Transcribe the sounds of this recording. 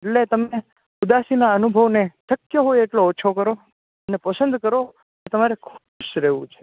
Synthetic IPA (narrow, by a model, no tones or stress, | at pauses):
eʈlet̪əme | ud̪asinaənubʱəʋneʈəkjəɦojeʈloːt͡ʃʰokəɾo | ənepəsə̃nd̪ʱkəɾo | ket̪əmaɾekʰ | ʃɾeʋṵ̃t͡ʃʰe̥